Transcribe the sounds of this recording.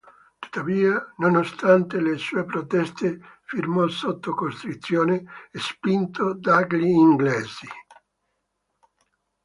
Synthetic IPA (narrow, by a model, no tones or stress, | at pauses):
t̪u̥t̪ːaviːanonost̪ant̪elesuːepɾot̪ɛst̪efirmɔsot̪ːokost̪ɾut̪sːjoːneːspint̪od̪aɡliːŋɡleːzi